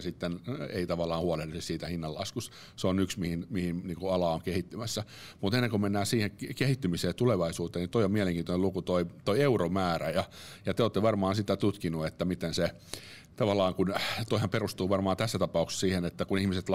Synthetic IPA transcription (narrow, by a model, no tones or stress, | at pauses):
sit̪ːenḛit̪ɑʋɑlːˑɑːhuɑledisissiːt̪æhinːɑlːɑ̰skus | seonyksmihinmihinniːŋkuɑlɑoŋkehit̪ːymæsːæ | mut̪enːeŋkomenːæːsiːheŋkkehit̪ːymiseːt̪uleʋɑisuːt̪eːnit̪oiomiæleŋkiːnonelukut̪oit̪oieuromæːræjɑ | jɑt̪eoːt̪ːeʋɑrmɑːnsit̪ːæt̪ut̪kinuet̪ːæmit̪ense | t̪ɑʋɑlːˑɑːŋkunt̪oihɑmperust̪uːʋɑrmɑːnt̪æsːæt̪ɑpɑukse̥ssiːhenet̪ːækunihmiset̪l